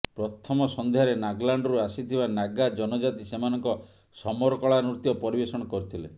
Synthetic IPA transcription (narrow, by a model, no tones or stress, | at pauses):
pɾɔt̪ʰɔmɔsɔnd̪eaɾenaɡlaɳɖɔɾuasit̪ʰibanaɡad͡ʒɔnɔd͡ʒat̪isemanɔŋkɔ | sɔmɔɾkɔɭanut̪jɔpɔɾibesɔɽ̃ɔkɔɾit̪ʰile